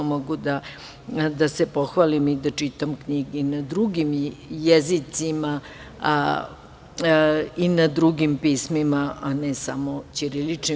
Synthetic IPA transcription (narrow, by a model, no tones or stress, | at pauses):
moɡud̪a | d̪asepoxʋalimid̪at͡ʃit̪amkɲiɡinad̪ɾuɡimjezit̪sima | inad̪ɾuɡimpiːsmimaanɛsamot͡ɕiɾilit͡ʂni